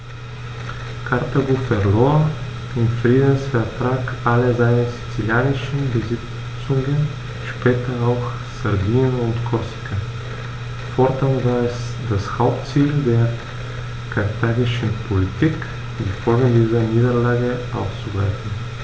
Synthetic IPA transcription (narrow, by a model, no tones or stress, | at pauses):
kʰaɐtabuːfɛʁloːɐ | ɪmfʁ̥iːdn̩sfɛɐtʁ̥aːkʔaləzaɪnəzit͡siljaːnɪʃn̩bəzɪ | t͡sʊŋən | ʃpɛːtʰɐaʊx | z̥ɛʁviːnənʊntkʰɔɐsi̥kʰa | fɔɐtanvaːɐɛs | d̥ashaʊp̚tt͡siːldeːɐ | kʰaʁtʰaːɡɪʃn̩pʰolitʰiːk | diːfɔlɡŋ̩diːzɐniːdɐlaːɡəʔa̰ʊst͡subʁaɪfn̩